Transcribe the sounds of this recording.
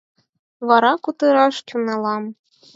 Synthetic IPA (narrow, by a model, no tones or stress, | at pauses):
βɑɾɑkut̪ɤɾɑʃtʲunɑlˠɑm